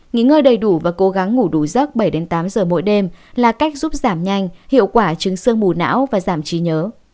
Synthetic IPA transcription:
ŋḭ˧˥ŋːəː˧jɗə˨˩jɗu˧˩vaː˨˩ko˨˦ɣa˨˦ŋːu˧˩ɗu˧˩zə˦˥t̚ɓə˧˩jɗe˨˦nt̪aː˨˦mzəː˨˩mo̰˧˥jɗe˧mlaː˨˩ka˦˥jk̟̚zu˦˥p̚zaː˧˩mɲa˧jŋ̟hḭ˧˨əwkwaː˧˩t͡ɕɨ˨˦ŋsɨ˧əŋɓu˨˩na̰ː˧˥wvaː˨˩zaː˧˩mt͡ɕi˨˦ɲəː˨˦

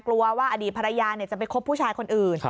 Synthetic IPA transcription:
klu˧ɐwaː˥˩ʔa˧diː˨˩t̪̚pa˧ɾa˧jaː˧ni˥˩ɐt͡ɕa˨˩p̬a˧jkʰo˦˥pʰːuː˥˩t͡ɕʰaː˧jkʰo˧nʔɯː˨˩n

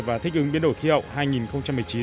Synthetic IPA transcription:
vaː˨˩t̪ʰï˦˥k̚ɨ˨˦ŋɓi˧˦ənɗo˧˩jxi˧hə̰˧˨wŋ͡mhaː˧jŋi˨˩nxə˧wŋ͡mt͡ɕa˧m˨˩jt͡ɕi˨˦

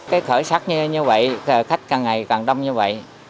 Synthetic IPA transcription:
kaː˨˦jxəː˧˩jsaː˦˥t̚ɲɨ˧ɲɨ˧və̰˧˨jə˨˩xa˦˥jk̟̚kaː˨˩ŋa˨˩jkaː˨˩ŋɗə˧wŋ͡mɲɨ˧və̰˧˨jʔ

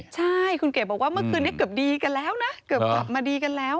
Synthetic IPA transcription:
t͡ɕaː˧jxu˧nke˨˧˩ɓːwkwaː˨˦˥mə˦kɨ˧nɛ˦˥kəː˨˩p̚ɗi˧kə˨˧˦lɛː˨˦wna˨˦kə˨˩kə˨˩p̚maː˨˩ɗi˧ka˧˦lɛː˨˦w

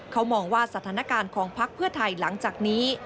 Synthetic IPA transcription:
kʰa˦˥wmɔː˧ŋwaː˥˩sa˧t̪ʰaː˩˦na˧˥kaː˧nkʰɔː˩˦ŋpʰa˦˥k̚pʰɯ˥˩ɐt̪ʰa˧jla˩˦ŋt͡ɕaː˨˩k̚niː˦˥

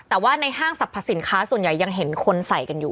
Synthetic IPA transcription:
t̪ɛː˨˩waː˥˩na˧jɦaː˥˩ŋsa˨˩pʰːa˧˥si˩˦nkʰaː˦˥su˨˩ənja˨˩jːa˧ŋɦe˩˦nkʰo˧nsa˨˩jka˧njuː˨˩

